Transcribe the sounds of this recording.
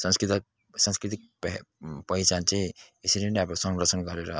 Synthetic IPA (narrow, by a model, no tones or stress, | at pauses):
sʌnskit̪ | sanskɾit̪ik̚ppʌjt͡sant͡sãĩ | esiɾeneʌbõsʌŋɡrʌt͡sʰʌnɡʌɾeɾʌ